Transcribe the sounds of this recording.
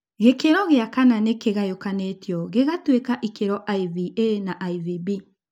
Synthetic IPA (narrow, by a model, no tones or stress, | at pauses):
ɣekeɾɔɣeakananekeɣajokanetjɔɣeɣatwekaʔikeɾɔʔaiðienaʔaiðibi